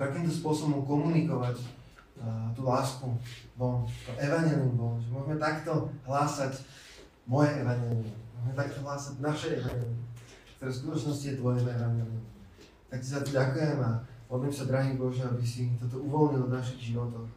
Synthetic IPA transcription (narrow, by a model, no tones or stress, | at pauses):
t̪akimt̪ɔspʊɔsɔbɔmkɔmunikɔʋac | t̪uːlaːskubɔlt̪ɔʔɛʋaɲɛliumbɔlʒɛmʊɔʒmɛt̪akt̪ɔɦlaːsac | mɔjɛʔɛʋaɲɛːliɛmʊɔʒmɛt̪ak̚t̪ɔɦlaːsaɟnaʃɛjɛʋaɲɛːliɛ | kt̪ɔɾɛːskut̪ɔt͡ʃnɔscijɛt̪ʋɔjɛmɛɛʋaɲɛlium | t̪akcɛzat̪ɔɟakujɛmapɔd̪limsad̪ɾaɦiːbɔʒɛabisit̪ɔt̪ɔuʋɔlɲilvnaʃiɣʒiʋɔt̪ɔx